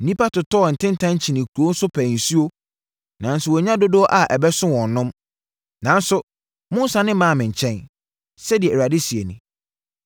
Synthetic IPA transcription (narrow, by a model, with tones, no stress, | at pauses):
n̩˨nĩ˦pʰa˦tʰʊ˨tʰɔː˦˨n̩˨tʰɪ̃˦n̩˦tʰã˦ɲ˦t͡ɕʰi˨nɪ̃˨kʰu˨ɾo˦n̩˦sʊ˦pʰæ̃˨n̩˨su˦o˦ | nã˨n̩˦sʊ˨wɔ˨˦ɲã˦do˦dʊ˦ɔ˦ʔa˨ʔɛ˨bɛ˦sʊ̃˦wɔ̃˨n˦nʊ̃˦m | nã˨n̩˦sʊ˦ | mʊ̃˦n˦sã˨nɪ̃˦mãː˦˨mɪ̃˨ɲ̩˨t͡ɕʰɛ̃˦n | sɛ˦di˨ɛ˨ɾa˨dɪ˦si˨e˨nɪ̃˨